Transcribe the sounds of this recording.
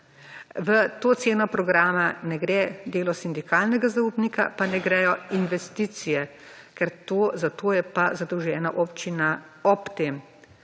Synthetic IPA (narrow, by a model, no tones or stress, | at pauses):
ʋət̪oːt̪seːnɔpɾɔɡɾaːmanɛɡɾɛd̪eːlɔsind̪ikʰaːlnɛɡazauːbnika̰panɛɡɾɛjɔinʋɛst̪iːt̪sijɛ | kɛɾt̪oːzat̪oːjɛpazad̪ɔwʒɛːnaʔopt͡ʃina | ɔpt̪eːm